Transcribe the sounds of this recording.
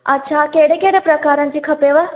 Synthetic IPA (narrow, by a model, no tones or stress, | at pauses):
ɐ̰tːʃʰakeːɽekeːɽepɾɐkaːɾənɪ̆d͡ʑikʰɐpeʋə